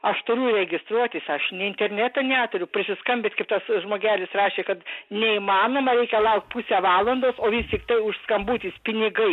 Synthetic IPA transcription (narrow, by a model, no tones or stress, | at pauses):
ɐʃt̪ʊɾʲuɾʲɛɡʲɪst̪ɾuɔt̪ʲiːsɐʃnʲɛɪnʲt̪ʲɛrʲnʲæt̪ɐnʲæːt̪ʊɾʲʊpʲɾʲɪsʲɪskɐmʲbʲet̪ʲkɐɪpt̪ɐsʒmoːɡʲæːlʲɪsrɑːʃʲeːkɐt̪nʲɛiːmɑːnoːmɐɾʲɛɪkʲɛlˠɐʊkt̪̚ʲpusʲæʋɑːlˠɐnd̪oːsoːʋʲɪst̪ʲɪkt̪ɐɪʊʃskɐmbuːt̪ʲiːspʲɪnʲɪɡɐɪ